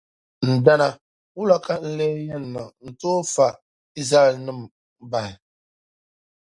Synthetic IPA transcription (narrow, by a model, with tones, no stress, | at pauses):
n̩˨da˦na˦ | wu˦la˦ka˦n̩˦le˦jɛ˦nː˨a˨n̩˨toː˦fa˨ | i˦zɾa˦ɛ˨lnɨ˦m | ba˨hɪ˨